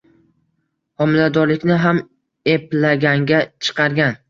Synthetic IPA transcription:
hɒmɪlad̪ɒɾlɪkʲnɪɦam | e̞plaɡʲaŋɡʲat͡ʃʰɨ̥qʰɑɾɡʲan

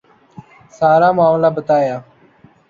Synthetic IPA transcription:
saːɾaːmʊaːmlaːbət̪aːjaː

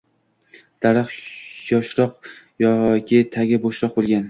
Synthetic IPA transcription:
d̪̥aɾaqjɒʃɾɒq | jɒkʲʰɪt̪ʰaɡʲaboʃɾɒq̚bolˠɡʲan

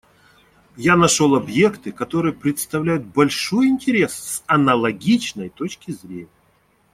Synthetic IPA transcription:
janɐʂo̞lˠɐbje̞kt̪ɨkɐt̪o̞ɾɨjəpɾʲɪt̪st̪ɐvlʲæjʊt̪̚bɐlʲʂo̞jɪnʲtʲɪɾʲe̞ssɐnɐlˠɐɡʲit͡ɕnəjt̪o̞t͡ɕkʲɪzɾʲenʲɪjə

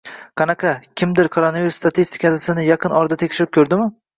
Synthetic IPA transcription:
qʰɑnɑqʰɑkʲʰɪmd̪ɪɾkʰoɾonaviɾust̪at̪ʰist̪ʰɪ̥kʰʲasɪnɪjɑqʰɨnɒɾd̪at̪ʰekʲʃɪɾɪp̚kʲʰɵɾd̪ɪmɪ

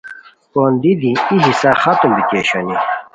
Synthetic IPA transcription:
pond̪id̪ĩiɦisaxat̪umbikeːɕoni

